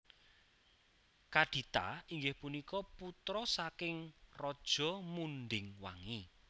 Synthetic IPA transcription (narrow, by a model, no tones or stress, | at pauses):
kaɖ̥i̤t̪a̰iŋɡɪhpunikɔput̪ɾɔsakɪŋrɔd̥ʒ̥ɔ̤munɖɪŋwa̰ŋi